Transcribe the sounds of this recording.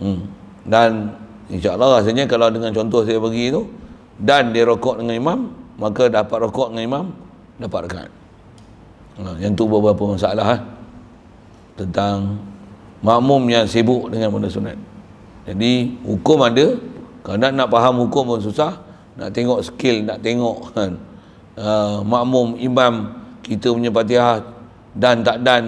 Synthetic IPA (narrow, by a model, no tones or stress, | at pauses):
dan | inʃaəlːɑhas̬alɲəkalawdəŋant͡ʃɔnt̪ɔhsajapəɡit̪u | dandiəɾokɔʔdəŋanimamːakadapat̪̚rokɔʔdəŋanimam | dapat̪̚ʔəka̰t̪̚ | ajaŋt̪ubəbəapəmasaalaɦah | t̪ənt̪aŋ | maʔmʊmjaŋsebʊʔdəŋanbənəsuna̰t̪̚ | d͡ʒadihukʊmadəkananaʔpaɦamhukʊmans̬usah | na̰ʔt̪eŋɔʔsə̥kɪlnaʔt̪eŋɔʔ | əmaʔmʊmimamkit̪əməɲəp̬at̪̬iah | dant̪aʔdan